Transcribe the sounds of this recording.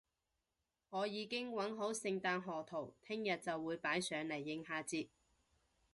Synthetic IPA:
ŋɔː˨˧jiː˨˧kɪ˥ŋwɐ˨˥nɦo˨˥wsɪ˧ŋt̪aː˧nɦɔː˨˩t̪ʰo˨˩wt̪ʰɪ˥ŋjɐ˨t̚t͡sɐ˨wːuː˨˧jpaː˨˥jsœː˨˧ŋlɐ˨˩jːɪ˨˥ŋɦaː˥t͡siː˧t̚

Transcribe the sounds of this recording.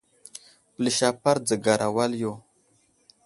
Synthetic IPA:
pli˨ʃa˨pa˦ɾd͡zə˨ɡa˨ɾʔa˨wa˦ljo˨

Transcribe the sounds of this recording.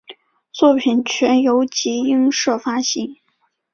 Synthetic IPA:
t͡swɔ˥˩pʰi˨˩nt͡ɕʰɥɛ˧˥njo˧˥ʊt͡ɕi˧˥i˥ŋʂɤ˥˩fa˥ɕi˧˥ŋ

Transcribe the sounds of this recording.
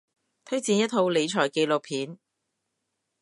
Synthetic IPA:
t̪ʰɵ˥ɥt͡siː˧njɐ˥t̪̚ʰːo˧wle˨˧jt͡ʃʰɔː˨˩jke˧jlo˨k̚pʰiː˨˥n

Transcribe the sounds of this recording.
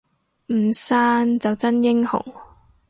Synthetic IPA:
m̩˨˩saː˥nt͡sɐ˨wt͡sɐ˥njɪ˥ŋhʊ̰˨˩ŋ

